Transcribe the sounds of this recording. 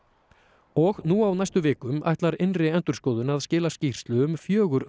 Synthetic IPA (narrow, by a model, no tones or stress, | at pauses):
ɔɣnuawnajst̪ʏvɪːkʏma̰jht̪laɾɪnrɪɛnt̪ʏɾ̥skɔːwðʏnaðscɪːlascir̥st̪lʏʏmfjœːɣʏɾ